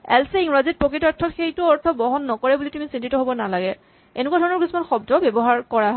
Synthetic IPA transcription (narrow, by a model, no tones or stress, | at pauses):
ɛlseiŋɹazit̚pɹokitaɹtʰːɔtxejtʊɔɹtʰɔbɔɦɔnːɔkɔɹɛbulitumisintitɔɦobɔnalaɡɛ | enʊk̬wadʱɔɹɔnɔɹkismanxɔb̚dɔbɛbɔɦaɹkɔɹaɦɔ